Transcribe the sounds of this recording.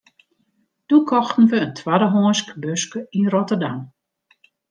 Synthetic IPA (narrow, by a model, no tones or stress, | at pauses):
d̥ukʰɔxtn̩ʋəəntʰwadəɦɔːənskbøskəinrɔtərdam